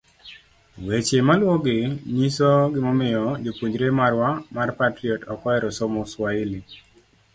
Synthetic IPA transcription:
wet͡ʃemalwɔɡɪɲisoɡɪmɔmɪjɔd͡ʒopwuɲd͡ʒɾemarwamarpatɾiɔtɔkɔɛɾɔsɔmɔswaili

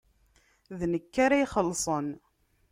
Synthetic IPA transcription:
ðnəkːaɾaiχəlːsˤən

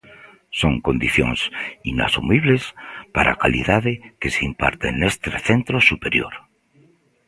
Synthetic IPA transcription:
soŋko̞nd̪iθjo̰ŋsina̰sumiβlespaɾʔa̰kalḭðaðekeseimpa̰ɾt̪ḛnːest̪ɾeθent̪ɾosupe̞ɾjo̰ɾ

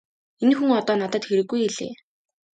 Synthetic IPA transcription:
enxuŋɔt̪ɔːnat̪ə̆t̪xeɾɘ̆ɡːujeɮḛː

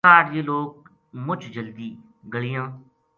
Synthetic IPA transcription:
aːɾeːloːk̚ | mʊt͡ʃd͡ʒəld̪iː | ɡəɭɪjãː

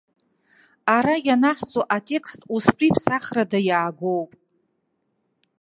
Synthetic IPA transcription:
aɾajanaħt͡sʼoʔatʼe̞kʰʼstʼuspʼipʰsaχradajaːɡʷo̞wpʼ

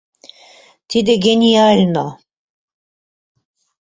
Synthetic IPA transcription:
t̪ʰid̪eɡʲenʲialʲno

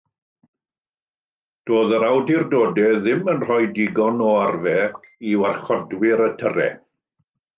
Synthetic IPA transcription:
d̥oːðəɾawdirdoːdɛðɪmənr̥ɔjdɪɡɔnɔarvɛiwarχɔdwɪɾətʰərɛ̰

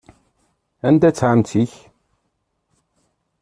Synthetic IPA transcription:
ænd̪æt͡sːʕamt͡siç

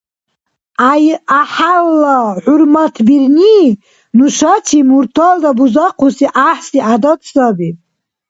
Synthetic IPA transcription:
ajaħalːaħʊrmatʰbirni | nuʃatʰimurtʰald̪abuzaqʰusiʔaħsiadatʰʼsabi

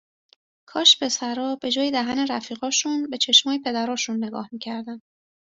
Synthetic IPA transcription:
kʰɒːʃpʰe̞sæɾɒːbe̞d͡ʒɒːjed̪æɦæne̞ɾæfiːɣɒːʃunbe̞t͡ʃʰe̞ʃmɒːjepʰe̞d̪æɾɒːʃunːe̞ɡɒ̰ːhmiːcʰæɾd̪æn

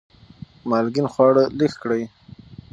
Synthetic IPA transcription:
malɡinχwɑːɽəlixkɽaj

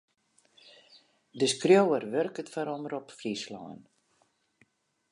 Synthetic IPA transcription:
dəskrjowərʋørkətfaɾɔməɾɔpfrislɔ̰ːən

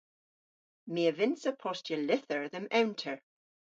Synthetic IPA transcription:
meəvɪnsəpʰɔstjəlɪθəɹðə̃mɛwntʰəɹ

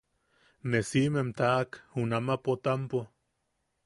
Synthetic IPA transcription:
nesimemt̪aʔkhunamapot̪ampo

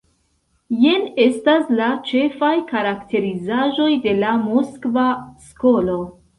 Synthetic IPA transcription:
jene̞staslat͡ʃe̞fajkaɾakte̞ɾizaʒo̞jde̞lamoskvasko̞lo̞

